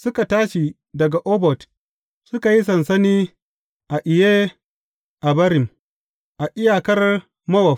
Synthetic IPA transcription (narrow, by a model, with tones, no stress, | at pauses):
sʊ˦ka˨taː˦ʃi˨ | dɐ˨ɡa˨ʔɔː˦bɔ˨t | sʊ˦ka˨ji˦s̬ɐ˨nsɐ˦niː˦ | ʔa˨ʔɪ˨jeː˦ | ʔa˨bɐ˦ɾɪ˨m | ʔa˨ʔɪ˦jaː˨kɐ˦r | mɐ˦wɐ˨